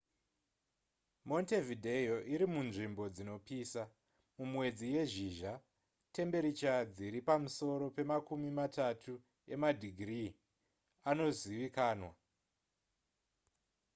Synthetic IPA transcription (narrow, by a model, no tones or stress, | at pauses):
mo̞nte̞vidʱejoʔiɾimunʐimbo̞d͡zino̞piːsa | mumwe̞d͡zije̞ʒiʒa | te̞mbe̞ɾit͡ʃad͡ziɾipamuso̞ɾo̞pe̞makumimatatʰu | e̞̰madʱiɡʱri | ano̞ziʋikaːnwa